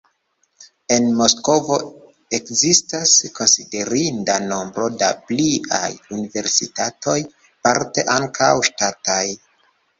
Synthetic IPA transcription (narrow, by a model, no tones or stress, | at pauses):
e̞nmo̞sko̞vo̞ | e̞kzistasko̞nside̞ɾindano̞mbɾo̞da̰plia̰junive̞ɾsitatʰo̞j | paɾte̞ʔaŋkʰawʃtataj